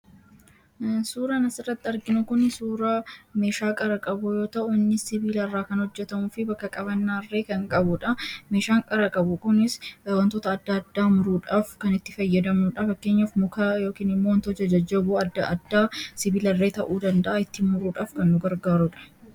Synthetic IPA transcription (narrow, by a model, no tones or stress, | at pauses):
suːɾɐnɐsɪrːɐt̪ːɪɐɾɡɪnʊkʊnsuːɾɐme̞ːʃaːkʼɐɾɐkʼɐbujo̞ːt̪ɐʔʊɪnːɪsɪbiːlɐrːaːkɐnhɔd͡ʒːɛt̪ɐmuːfɪbɐkːɐkʼɐβɐnːarːe̞ːkɐŋkʼɐbʊᶑɐmeːʃaːŋkʼɐɾɐkʼɐbʊkʊnɪswɐnt̪oːt̪ɐːd̪ːɐːd̪ːaːmʊɾuːᶑaːfkɐnɪt̪ːɪfɐjːɐd̪ɐmuːᶑɐfɐkːe̞ːɲːɐfmʊkajo̞ːkiːnɪmːownt̪od͡ʒɐd͡ʒɐd͡ʒːɐbʊɐd̪ːɐʔɐd̪ːaːsɪbiːlɐrːe̞ːt̪ɐʔuːd̪ɐnd̪ɐʔɐɪt̪ːɪmʊɾuːᶑaːfkɐnːʊɡɐɾɡaːɾʊᶑɐ̥